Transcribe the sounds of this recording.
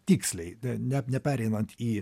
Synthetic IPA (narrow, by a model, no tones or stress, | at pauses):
t̪ʲiːksʲlʲɛɪɛnʲɛnʲɛpʲæːɾʲɛɪnɐnt̪iː